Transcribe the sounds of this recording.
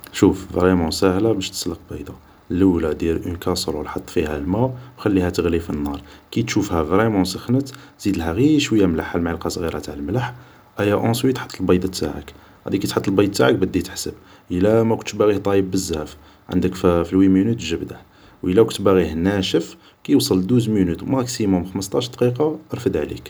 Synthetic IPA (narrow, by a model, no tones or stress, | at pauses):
ʃufvɾimʊ̃sæhlæbəʃt̪ə̥sləq̚bɑjd̪ɑ | ləwlæd̪iɾʔənkɑsˤɾˤulħɑt̪ˤːfihæ̰lmæwwxælːihæt̪əɣlifinːɑɾˤkit̪ʃufhævɾimʊ̃səxnət̪z̥id̪əlhæɣiʃwəjːæmlaħalmʕlqɑsˤɣiɾɑt̪aʕəlmlaħ | ʔæjæʔõswit̪ħət̪ˤːəlbɑjd̪ɑt̪ːa̰ʕə̰k | ʕæ̰d̪ikit̪ħɑt̪ːəlbɑjd̪̚ˤt̪ːaʕək̚bəd̪ːit̪ħsəb | ʔəlæmækʊnt̪bæɣihd̪ˤɑjəbːəzːæf | ʕə̰nd̪əkfilwimənut̪ʒəbd̪aħ | wʔəlːækʊnt̪bæɣihnæʃəf | kijwsˤəld̪uzmənut̪mɑksimʊmxməst̪ˤɑʃd̪qiqɑɾˤfəd̪ʕlḭk